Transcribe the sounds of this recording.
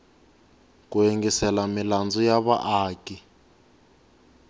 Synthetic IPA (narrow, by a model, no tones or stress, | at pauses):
kueŋɡisɛlamiland͡zujaβa̰ʔaːki